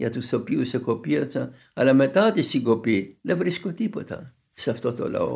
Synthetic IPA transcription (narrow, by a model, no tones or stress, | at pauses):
jɐt̪usopiusekopiɐsɐ | ɐlɐme̞t̪ɐt̪isiɡopiðevɾiskot̪ipot̪ɐ̰ | sɐft̪ot̪o̰lɐ̰o̰